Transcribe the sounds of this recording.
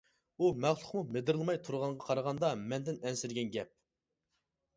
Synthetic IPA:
umæχlˠʊ̥qmumed̪ɪɾɨlˠmɑjt̪ʰuɾʁɑɴʁɑqʰɑɾəʁɑnd̪ɑmɛnd̪ɪnɛnsɪɾɡʲɛnɡʲɛp̚

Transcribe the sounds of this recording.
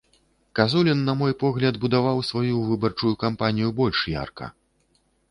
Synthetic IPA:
kazulʲinːɐmɔjpɔɣlʲɐd̪bud̪avawsvajuvɨbɐrt͡ʂujukampanʲijubɔlʲʂja̰rkɐ̰

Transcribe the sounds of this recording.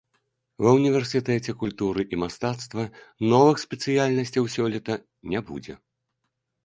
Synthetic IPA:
vɐwnʲivʲɛrsʲɨt̪ɛt͡sʲɛkulʲt̪uɾɨʔimast̪at̪st̪vɐnɔvɨxsʲpʲɛt̪sɨjalʲnɐsʲt͡sʲɐwsʲɔlʲit̪ɐ | nʲɛbṵd͡zʲɛ̰

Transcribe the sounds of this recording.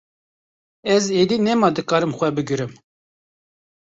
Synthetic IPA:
ɛzeːd̪iːnɛmɑːd̪ɨkɑːɾɨmxʷɛbɨɡɨɾɨm

